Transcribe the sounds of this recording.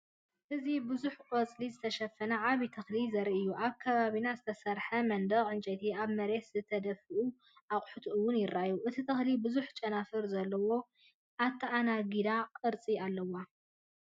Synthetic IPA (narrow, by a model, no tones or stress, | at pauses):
ʔɨzibɨzuħkʼɐt͡sʼlizɨt̪ʰɐʃɐfːɐnɐʕaβit̪ʰɐxlizɐɾiʔɨjːuʔaβkʰɐβaβinazɨt̪ʰɐsɐɾħɐmɐnd̪ɐɣʕɨnt͡ʃʼɐt̪ʰiaβmɐɾe̞t̪zɨt̪ʰɐd̪ɐfɨʔu | ʔakʼħut̪ʰʔɨwʊnjɪɾːajuʔɨt̪ʰit̪ʰɨxlibɨzuħt͡ʃʼɐnafɨɾzɐlːɐwo̞ | ʔat̪ʰːɐʔanaɡid̪aqʼɨɾt͡sʼialːɐwa